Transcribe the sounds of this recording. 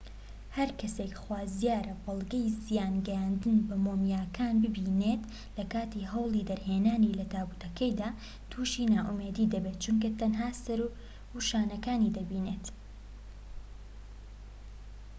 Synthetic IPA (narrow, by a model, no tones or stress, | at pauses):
hɐɾkʰɐsekχwaːzijaːɾɐbɐlˠɡɐjzijaːnɡɛjaːnd̪ɨnbɐmoːmjaːkʰaːnbɨbiːnet̪ | lɐkaːt̪iɦɐwlˠid̪ɐɾɦeːnaːnilɐt̪ʰaːbut̪ʰɐkɐjd̪aː | t̪ʰuːʃiːnaːʔumed̪iːd̪ɐbet̪̚t͡ʃunk̬ɐt̪ɐnɦaːsɐɾ | huʃaːnɐkaːnid̪ɐbiːnet̪